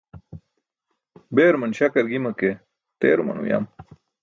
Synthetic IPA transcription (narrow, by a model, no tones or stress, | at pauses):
beːɾmɐnɕɐkɐɾɡimɐke | t̪eːɾumɐ̰nṵja̰m